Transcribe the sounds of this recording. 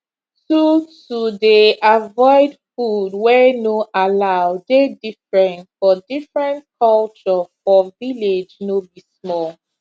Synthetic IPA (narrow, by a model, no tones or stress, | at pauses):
totudeavɔɪdfudwɛnoʔalaʊdedifɹɛ̃ntfɔdifɹɛ̃ntkʰɔlt͡ʃɔfɔviled͡ʒnobismɔl